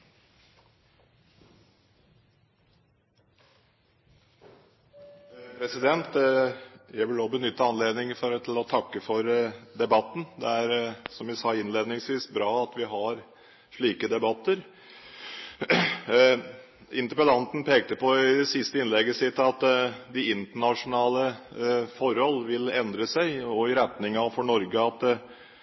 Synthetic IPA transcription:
pʰɾɛsɪd̪ɛnt̪ | jæɪʋɪloːbənʏt̪ːəɑnleːd̪nɪŋfɔɾt̪ʰɪlɔt̪ʰɑkːəfɔɾd̪ɛbɑt̪ːn̩d̪ɛæɾsɔmʋɪsɑːɪnleːd̪nɪŋsʋiːsbɾɑːɑt̪ʋɪɦɑɾ | ʂɭiːkəd̪ɛbɑt̪ːəɾ | ɪnt̪əɾpəlɑnt̪n̩pʰeːk̚t̪əpɔɪd̪ɛsɪst̪əɪnlɛɡəsɪt̪ːɑt̪d̪ɪɪnt̪əɳɑʂʊnɑːləfɔɾhɔlʋɪlɛnd̪ɾəsæɪɔɪɾɛt̪nɪŋɑfɔɳɔɾɡəɑt̪

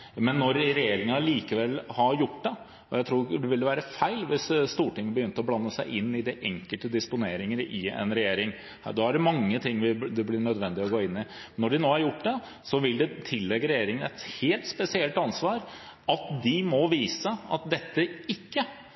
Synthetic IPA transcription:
mɛnːɔɾɾɛjeːɾɪŋɑliːkəʋɛlhɑjʊʈːd̪ɛ | ɔjæɪt̪ʰɾuːɾɖɛʋɪlʋæːɾəfæɪlʋɪsst̪uːʈɪŋːənbəjʏnt̪əɔblɑnːəsæɪʔɪnːɪd̪ɪʔɛŋkəlt̪əd̪ɪspʊneːɾɪŋəɾɪɛ̰nɾɛjeːɾɪŋ | d̪ɔːæɖɛmɑŋːət̪ʰɪŋːʋɪd̪ɛblɪɳœd̪ʋɛnd̪ɪɔɡoːɪnːɪ | nːɔɖɪnoːæɾjʊʈːd̪ɛ | sɔʋɪld̪ɛt̪ʰɪlːɛɡəɾɛjeːɾɪŋənɛt̪heːlt̪spɛsɪɛlt̪ɑnsʋɑːɾ | ɑt̪d̪ɪmɔʋiːsəɑ̰t̪̚d̪ɛt̪ːəɪkːə

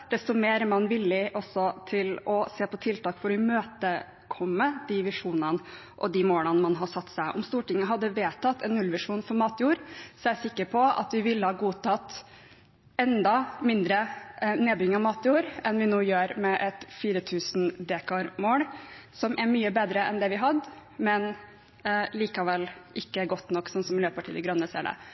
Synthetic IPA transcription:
d̪̥ɛst̪ɔʊmeːɾmɑnʋɪlːɪʔɔsːɔt̪ʰɪlɔseːpɔt̪ʰɪlt̪ɑːkfɔɾɪmøːt̪ə | kʰɔmːəd̪̥iʋɪʂuːnənə | ʔɔd̪ɪmoːlənəmɑnɦɑsɑt̪ːsæɪʔɔmst̪uːʈɪŋːəɦɑd̪ːəʋeːt̪ʰɑt̪ʰːɛnːʉlʋɪʂuːnfɔɾmɑːt̪juːɾsɔæsɪkːəɾpʰɔɑ̰t̪ʋɪʋɪlːəhɑːɡuːt̪ɑt̪ː | ɛnd̪ɑmɪnd̪ɾəneːbʏɪŋɑmɑːt̪juːɾʔɛnʋɪnuːjøːɾmɛʔɛt̪fiːɾət̪ʰʉːsn̩d̪eːkʰɑɾmoːlsɔmʔɛɾmyːəbeːd̪ɾəʔɛ̰nd̪ɛʋɪɦɑd̪mɛn | liːkɑʋɛlʔɪkːəɡɔt̪nɔkːsɔnsɔmɪløːpɑʈʰiːd̪ɛɡɾœnːəsḛːɖɛ̰

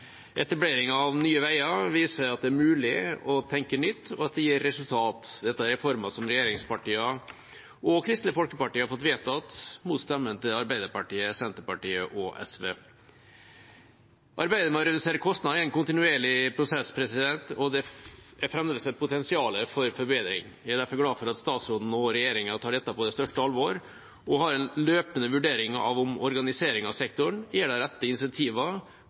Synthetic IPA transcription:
ʔɛt̪ɑbleːɾɪŋɑːʋnyːəʋæɪɑʋiːsəɾɑt̪̚d̪ɛæɾmʉːlɪɔt̪ʰɛŋkəɳʏt̪ːɔɑt̪̚d̪ɛjiːɾːɛsʉlt̪ʰɑːt̪d̪ɛt̪ːɑæɾɛfɔɾmɑsɔmɾɛjeːɾɪŋspɑʈiːɑ | ɔkʰɾɪst̪nəfɔlkəpɑʈiːəhɑɾfɔt̪ʋeːt̪ɑt̪muːt̪st̪ɛmːənt̪ɪɑɾbæɪd̪əɾpɑʈiːəsɛnt̪əpɑʈiːəʔɔʔɛ̰sʋeː | ʔɑɾbæɪd̪əmɑɾəd̪ɪseːɾəɾkʰɔst̪nɑd̪ɪɛɪnkʊnt̪ɪnʉeːɭɪpʰɾʊsɛspʰɾɛsɪd̪ɛnt̪ɔd̪ɛæɾfɾɛmd̪eːsɛpʊt̪ʰɛnsɪɑːləfɔɾfɔɾbeːd̪ɾɪ̰ŋjæɪd̪æɾfɔɾɡlɑːfɔɾɑt̪st̪ɑːt̪sɾoːd̪n̩ɔɾɛjeːɾɪŋənt̪ʰɑːɖɛt̪ːɑpɔd̪ɛst̪œʂʈəɑlʋoːɾ | ʔɔɦɑɾɛnløːpənəʋʉɖeːɾɪŋɑ̰ʋʊmɔɾɡɑnɪseːɾɪŋɑʋsɛkt̪ʊɳjæːɖæɾɛt̪ːəɪnsɛnt̪ʰiːʋɑ

